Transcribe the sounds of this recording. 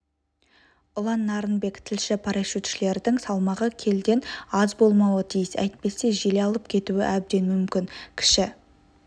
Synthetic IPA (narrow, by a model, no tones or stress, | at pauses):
ʊlˠɑnːɑɾənbe̞kt̪ʰɪlʃɪpʰaɾɑʃut̪ʃɪle̞ɾɪd̪ɪŋsɑlˠmɑʁəkʲʰe̞ld̪e̞nɑzbo̞lˠmɑwət̪ʰijɪsæ̰jt̪̚pe̞se̞ʒeleɑlˠəp̚kʲʰe̞t̪uwɪ̰ʔæb̚d̪e̞nmʏmkʲɪŋkʲʰɪ̥ʃɪ